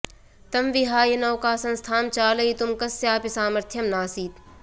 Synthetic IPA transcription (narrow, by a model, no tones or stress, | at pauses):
t̪ɐmʋiɦaːjɐnɐːkaːsɐ̃nst̪ʰaːmt͡ʃaːlɐit̪ʊmkɐsːeaːpisaːmɐɾt̪ʰjɐmnaːsiːt̪